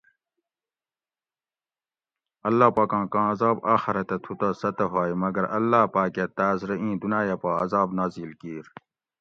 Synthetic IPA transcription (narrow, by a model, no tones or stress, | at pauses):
ɐlːaːpaːkãːkãːɐzaːbaːxiɾɐt̪et̪ʰut̪ɐsɐt̪ɐɦaːjmɐɡɐɾɐlːaːpaːket̪aːzɾɐĩːd̪unaːjɐpaːɐ̰zaːbnaːzilkiːɾ